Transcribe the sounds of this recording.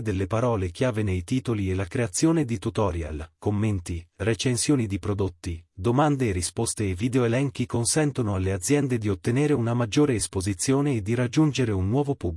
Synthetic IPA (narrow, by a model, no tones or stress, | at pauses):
d̪elːepaɾɔːlek̟jaːvenejt̪iːt̪olielakɾeat̪sːjoːned̪it̪ut̪ɔɾja̰lkomːent̪iret͡ʃensjoːnid̪ipɾod̪ot̪ːid̪omand̪eːrispost̪eːvːiːd̪eoelɛŋk̟ikonsɛnt̪onoalːead̪zːjɛnd̪ed̪iot̪ːeneːɾeunamad͡ʒːoːɾeːspozit̪sːjoːneːd̪ːiɾad͡ʒːund͡ʒeɾeunːwɔːvopub